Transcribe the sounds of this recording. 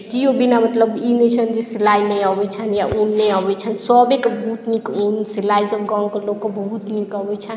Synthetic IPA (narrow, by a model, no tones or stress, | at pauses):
kiobinamət̪ləbinet͡ʃʰənd͡ʒesilainɛjabɛt͡ʃʰənjaʔunːɛabɛt͡ʃʰənsɔbekebəɦut̪nikunsilaisəbɡɔ̃ŋkelokːebəɦut̪nikəbɛt͡ʃʰən